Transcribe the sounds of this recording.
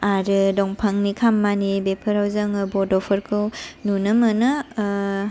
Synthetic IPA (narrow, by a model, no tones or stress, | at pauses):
aɾɯdɔŋpʰaŋnikʰamːanibepʰɯɾawzaŋɯbɔdɔpʰɯɾkʰɯwnunɯmɯnɯ